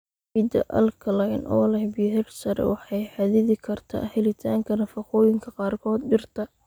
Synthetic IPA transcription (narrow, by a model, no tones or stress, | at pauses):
mɪd̪ɐ̰ʔɐ̰lkʰɐlɐjnʔɔ̰ːlɛhbiɦɛrsɐɾɛ̰wɑħɑjħɑðɪðɪkʰɐrt̪ʰa̰ːhɛlɪt̪ʰaːŋkʰɐnɐfɑqɔːjɪŋkʰɐqɑːrkʰɔːd̪̚ɖɪrt̪ʰɐ